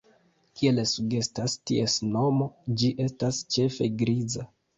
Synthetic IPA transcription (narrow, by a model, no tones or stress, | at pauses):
kie̞lesuɡe̞stastiesno̞mo̞d͡ʒiʔe̞stast͡ʃe̞fe̞ɡɾiza